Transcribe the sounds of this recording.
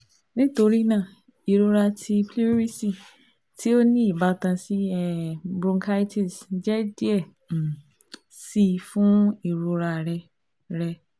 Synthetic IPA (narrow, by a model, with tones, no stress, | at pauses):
nĩ˦to˧ɾi˦nãː˦˨ | i˨ɾo˧ɾa˧tʰi˧pli˦ɾi˦si˨ | ti˦o˦nĩ˦i˦˨ba˦tã˧si˦ɛ˦bɾũ˧ŋkʰa˦i˦tʰi˦˨sd͡ʒɛ˦di˦ɛ˦˨ | si˧fũ˦i˦˨ɾo˧ɾa˧˨ɾɛ˧ | ɾɛ˧